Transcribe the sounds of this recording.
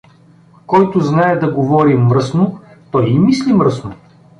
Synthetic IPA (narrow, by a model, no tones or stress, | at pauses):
kɔjt̪ʊznaɛd̪ɐɡovɔɾimːɾɤsnʊ | t̪ɔjimislimɾɤsnʊ